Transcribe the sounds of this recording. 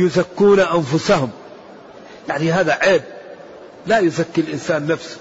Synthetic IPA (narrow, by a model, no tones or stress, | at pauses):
jʊzakːuːnaʔanfʊsahʊm | jaʕniɦaːðaʕeːb̚ | lajʊzakːɪlʔɪnsaːnːafs